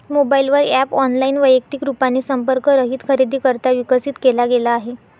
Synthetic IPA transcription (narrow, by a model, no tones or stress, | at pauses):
mobailʋəɾæpɔnlaiːnʋəjək̚t̪ikɾupanːiːsəmpəɾkəɾəɦiːt̪kʰəɾid̪ʱiːkəɾt̪aʋikəsiːt̪kelaɡelaːɦe